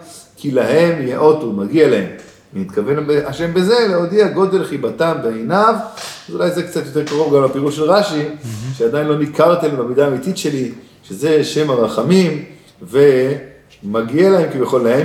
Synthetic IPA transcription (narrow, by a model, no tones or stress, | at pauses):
kʰilaɦe̞mjeʔo̞t̪umaɡialae̞m | nit̪kave̞nbeaʃe̞mbeze̞leod̪iaɡo̞d̪e̞lχibat̪anbeenav | ulajzekt͡sat̪jotekaʁo̞vɡamlapiʁuʃelʁaʃiʃead̪ajinlo̞nikaʁt̪embamid̪aːmit̪itʃe̞li | ʃeze̞ʃe̞maʁaχamim | ve̞ | maɡialahe̞mkivjaχo̞lːahe